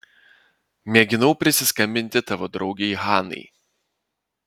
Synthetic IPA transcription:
mʲɛɡʲɪnɔʊpʲɾʲɪsʲɪskɐmʲbʲɪnʲt̪ʲɪt̪ɑʋod̪ɾɒʊɡʲeɦɑːnɨ̰ɪ

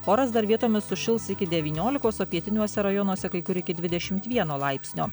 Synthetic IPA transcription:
oːɾɐsd̪ɐɾʋʲiɛt̪oːmʲɪsʊʃʲɪlˠsɪkʲɪd̪ʲɛʋʲiːnʲoːlʲɪkoːsoːpʲiɛt̪ʲɪnʲuɔsʲɛɾɐjɔnuɔsʲɛkɐɪkʊɾɪkʲɪd̪ʲʋʲɪd̪ʲɛʃʲɪmt̪ʋʲiɛnoːlˠɑɪpʲsʲnʲoː

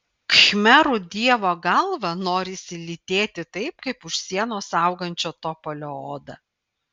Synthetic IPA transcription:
kxʲmʲɛɾʊd̪ʲiɛʋoːɡɐlˠʋɐnoːɾʲɪsʲɪlʲɪt̪ʲeːt̪ʲɪt̪ɐɪpkɐɪpʊʃʲsʲiɛnoːsɐʊɡɐnʲt͡ʃʲoːt̪ɔpolʲoːoːd̪ɐ

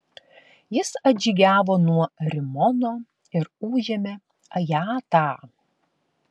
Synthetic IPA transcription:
jɪsɐd͡ʒʲiːɡʲæːʋoːnuɔɾʲɪmɔnoː | ɪɾuːʒʲɛmʲe | ɐjɑːt̪ɑː

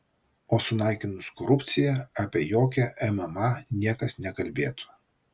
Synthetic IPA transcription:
oːsʊnɑˑɪkʲɪnʊskɔɾʊpʲt̪sʲɪjɛɑpʲiɛjoːkʲɛʔɛmɛmɑnʲiɛkɐsnʲɛkɐlʲbʲeːt̪ʊ̥

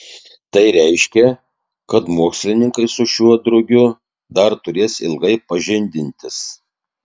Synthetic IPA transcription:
t̪ɐɪɾʲɛɪʃʲkʲɛ | kɐt̪muɔksʲlʲɪnʲɪŋkɐɪsʊʃʲuɔd̪ɾʊɡʲʊ | d̪ɐɾt̪ʊɾʲeːsɪ̰lˠɡɐɪpɐʒʲɪnʲd̪ʲɪnʲt̪ʲɪs

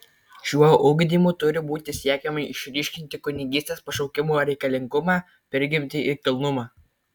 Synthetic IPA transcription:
ʃʲuɔʔʊɡʲd̪ʲiːmuːt̪ʊɾʲɪbuːt̪ʲɪsʲiɛkʲɛmɐɪʃʲɾʲiːʃʲkʲɪnʲt̪ʲɪkʊnʲɪɡʲiːsʲt̪ʲeːspɐʃɔʊkʲɪmuɾʲɛɪkɐlʲɪŋɡʊmɑː | pʲɛɾʲɡʲɪmʲt̪ʲɪʔɪɾkʲɪlˠnʊmɑː

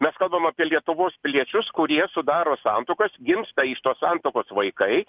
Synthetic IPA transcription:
mʲɛskɐlˠbɐmɐːpʲiɛlʲiɛt̪ʊʋoːspʲɪlʲiɛt͡ʃʲʊskʊɾʲiɛsʊd̪ɑːɾoːsɑːnt̪oːkɐsɡʲɪmst̪ɐɪʃt̪oːsɑːnt̪oːkoːsʋɐɪkɐɪ

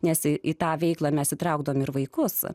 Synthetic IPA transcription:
nʲɛsɪit̪ɑːʋʲɛɪklˠɑːmʲɛsit̪ɾɐʊɡd̪ɐʋomɪɾʋɐɪkʊs

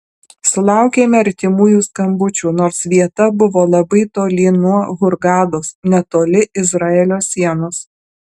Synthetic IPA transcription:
sʊlˠɑˑʊkʲeːmʲɛɐɾʲt̪ʲɪmuːjuːskɐmbʊt͡ʃʲuːnoːɾsʋʲiɛt̪ɐbʊʋoːlˠɐbɐɪt̪oːlʲɪnuɔɣʊɾɡɑːd̪oːsnʲɛt̪oːlʲɪʔɪzɾɑːɛlʲoːsʲiɛnos

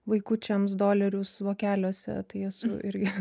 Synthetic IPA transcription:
ʋɐɪkʊt͡ʃʲɛmsd̪oːlʲɛɾʲʊsʋoːkʲæːlʲoːsʲɛ̰t̪ɐɪɛsʊ̰ʔɪɾʲɡʲɪ

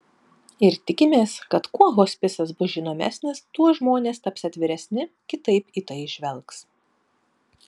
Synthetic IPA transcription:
ɪɾt̪ʲɪkʲɪmʲeːskɐt̪kuɔɣoːsʲpʲɪsɐsbʊsʒʲinoːmʲæ̰ːsʲnʲɪst̪uɔʒmoːnʲeːst̪ɐpʲsʲɛɐt̪ʲʋʲɪɾʲɛsʲnʲɪ | kʲɪt̪ɐɪpiːt̪ɐɪʒʲʋʲɛlˠks

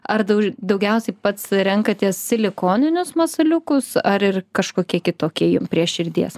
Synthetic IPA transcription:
ɐɾd̪ɐʊd̪ɐʊɡʲɛʊsʲɛɪpɐt̪sɾʲɛŋkɐt̪ʲiɛsːʲɪlʲɪkoːnʲɪnʲʊsmɐsɐlʲʊkʊsɐɾɪrkɐʃkoːkʲiɛkʲɪt̪oːkʲiɛjʊmpʲɾʲiɛʃʃʲɪɾʲd̪ʲiɛs

